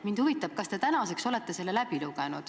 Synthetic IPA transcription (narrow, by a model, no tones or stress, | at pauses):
mind̪̥huvit̪ːˑɑb̥̚kɑst̪e̞t̪ænɑse̞kso̞le̞t̪ːe̞se̞lːelæb̥iluɡ̥enud̪̥